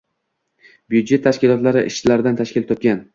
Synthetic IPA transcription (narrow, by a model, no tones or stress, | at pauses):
bjud̪d͡ʒe̞t̪ʰːaʃkʲɪlɒt̪laɾɪʔɪʃt͡ʃɪlaɾɪd̪ant̪ʰaʃkʲɪlt̪ʰɒp̚kʲan